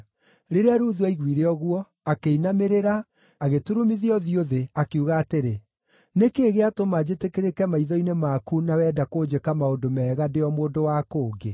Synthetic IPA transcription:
ɾeɾeaɾuðwaiɣwiɾeɔɣwɔ | akeinameɾeɾa | aɣetuɾumiðiɔðioðeakeuɣaːteɾe | nekeːɣeatomad͡ʑetekeɾekɛmaiðɔinemakunawɛːdakoːd͡ʑekamaodomɛːɣadeɔmoːdowakoːɡe

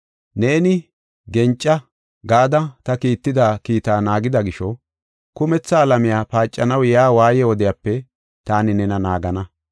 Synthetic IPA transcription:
ne̞ːnɪ | ɡɛnt͡ʃʼːɐ | ɡaːd̪ɐt̪ɐkiːt̪ːɪd̪aːkiːt̪aːnaːɡɪd̪ɐɡɪʃɔ | kʊmɛt͡sːɐːlɐmɪjaːpaːt͡ʃʼːɐnɐwjaːwaːjɛwɔd̪ɪjaːpːɛ | t̪aːnɪnɛnɐnaːɡɐnɐ

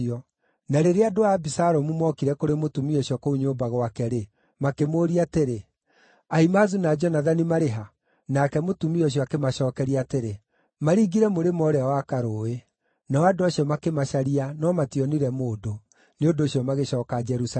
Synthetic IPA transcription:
ɔ | naɾeɾeadoabisaɾɔmumɔkiɾɛkoɾemotumiɔɕiɔkouɲoːbaɣwakɛɾe | makemoːɾiateɾe | aimazunad͡ʒɔnaðanimaɾeɦa | nakɛmotumiɔɕ̬iɔakemaɕɔːkɛɾiateɾe | maɾiɡiɾɛmoɾemɔɾeawakaɾoːe | nawadoaɕiɔmakemaʃaɾianɔmatiɔniɾɛmoːdo | neondoːɕiɔmaɣeɕɔːkad͡ʒɛɾus

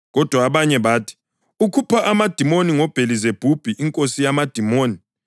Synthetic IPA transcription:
ɣɔd̥ʱwaːβaɲɛβaːtʰi̥ | ukʰupʰaʔamad̥ʱimoniŋɔb̥ʱelizeb̥ʱub̥ʱiʔiŋkʼosijamad̥ʱimoːni

